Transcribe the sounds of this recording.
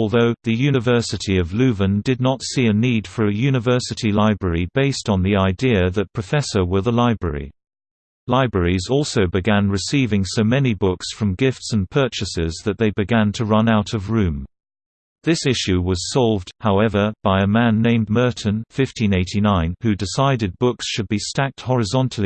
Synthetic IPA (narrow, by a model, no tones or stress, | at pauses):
ɔlˠðoʊðɨjʉnɨvɜ˞sɨɾiʌvlʉvɨ̃ndɨdⁿnətsiɨnid̥fə˞ɨjʉnɨvɜ˞sɨɾilaɪbɹɛɹibeɪstn̩ðiaɪdiɨðɨt̚pʰɹ̥ɨfɛsə˞wə˞ðəlaɪbɹɛ̰ɹḭ | laɪbɹɛɹizɔˑlˠsoʊbɨɡæ̃nɹɨsivɪ̃ŋsoʊmɛnibʊksfɹʌ̃mɡɪftsɨ̃npʰɜ˞t͡ʃɨsɪzðɨt̪̚ðeɪbɨɡæ̃ntʰəɹʌ̃naʊɾʌvɹʉ̃m | ðɪsɪʃʉwʌz̥sɑlˠvdhaʊɛvə˞b̥aɪɨmæ̃nːẽɪ̃mmɜ˞ʔn̩fɪftʰĩneɪɾinãɪ̃nhʉdɨsaɪɾɨd̚bʊksʃɨd̚bistæk̚t̚hɔɹɨzɑ̃ntʰˡl̩ˠi